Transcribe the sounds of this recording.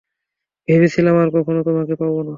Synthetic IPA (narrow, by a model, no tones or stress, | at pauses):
b̥ʱebet͡ɕʰilamaɾkɔkʰonot̪omakepabona